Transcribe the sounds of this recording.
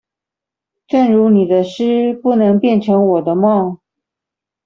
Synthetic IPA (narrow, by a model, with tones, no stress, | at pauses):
ʈ͡ʂə˥˩nɻu˧˥ni˨˩d̪ə˦ʂɻ̩˥pu˥˩nɤ˧˥ŋpjɛ˥˩nʈ͡ʂʰɤ˧˥ŋwɔ˨˩d̪ə˦mɑ˥˩